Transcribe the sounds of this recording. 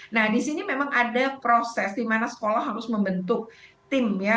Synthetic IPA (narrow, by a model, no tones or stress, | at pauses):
nahdisinimemaŋadapɾosɛsdimanasə̥kolahɦaɾʊsməmbənt̪ʊk̚t̪ɪmja